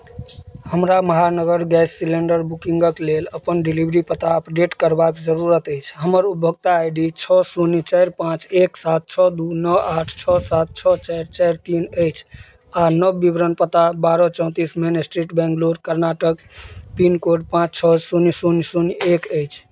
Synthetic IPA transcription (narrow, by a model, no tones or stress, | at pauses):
həmɾaməɦanəɡəɾɡɛsːileɳɖəɾbukiŋɡəkleləpənɖilibɾipət̪aəpɖeʈkəɾbakd͡ʒəɾuɾət̪əɪt͡ʃʰɦəməɾup̚bʱəɡ̚t̪aajɖit͡ʃʰɔsunit͡ʃaɪɾpãt͡ʃeksat̪̚t͡ʃʰɔd̪unɔaʈʰt͡ʃʰɔsat̪̚t͡ʃʰɔt͡ʃaɪɾt͡ʃaɪɾt̪inəjt͡ʃʰ | anəbːibɾənpət̪abaɾɔt͡ʃɔ̃ʊ̃t̪ismenesʈɾiʈbɛ̃ŋɡloɾkəɾnaʈəkpinkoɖpãt͡ʃt͡ʃʰɔsunisunsunekəjt͡ʃʰ